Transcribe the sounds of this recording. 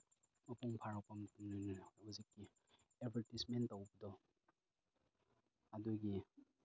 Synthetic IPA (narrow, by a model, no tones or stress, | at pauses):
mɐpuŋpʰaɾak̚pɐmɐtumnanahuzikːi | ebʰʱeɾtismentːawbɐdɔ | aduɡi